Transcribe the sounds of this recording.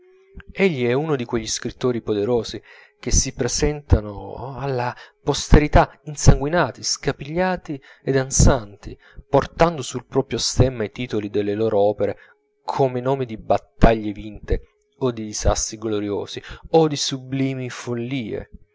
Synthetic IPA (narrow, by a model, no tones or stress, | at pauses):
eʎːiɛunod̪ikweʎːiskɾit̪ːoːɾipod̪eɾoːzi | k̟esːipɾezɛnt̪ano̰alːapost̪eɾit̪ainsaŋɡwinaːt̪iskapiʎːaːt̪i | ɛd̪ant̪sant̪i | port̪and̪osulpɾɔːpɾjost̪ɛmːait̪iːt̪olid̪elːeloːɾʔoɔːpeɾe | kʰomenoːmid̪ibat̪ːaʎːevint̪e | od̪id̪iza̰st̪ɾiɡloɾjo̰ːziod̪isubliːmifolːiːḛ